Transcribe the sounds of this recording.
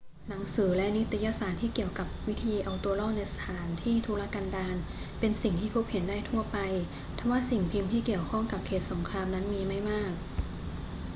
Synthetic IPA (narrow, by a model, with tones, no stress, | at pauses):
na˩˦ŋsɯː˩˦lɛ˦˥ni˦˥t̪i˧ja˧˥saː˨˩t̪ʰiː˥˩ki˨˩əwka˨˩p̚wi˦˥t̪ʰiː˧ʔa˧wt̪u˧ɐlɔː˥˩k̚na˧jsa˧t̪ʰaː˩˦nt̪ʰiː˥˩t̪ʰuː˧laː˧˥kaː˧ndaː˧n | pe˧nsi˨˩ŋt̪ʰiː˥˩pʰuː˦˥p̚he˩˦ndaː˥˩jt̪ʰu˥˩ɐpa˧j | t̪ʰa˧mwaː˥˩si˨˩ŋpʰi˧mt̪ʰiː˥˩ki˨˩əwkʰɔ˥˩ŋka˨˩p̚kʰeː˨˩t̪̚so˩˦ŋkʰɾaː˧mna˦˥nmiː˧ma˥˩jmaː˥˩k̚